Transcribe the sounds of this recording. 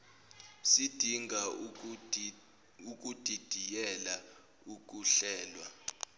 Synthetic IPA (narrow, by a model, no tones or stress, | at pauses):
sid̥ʱiŋɡʱa | uk̬ʼud̥ʱid̥ʱijɛla | uk̬ʼuɬɛːlwa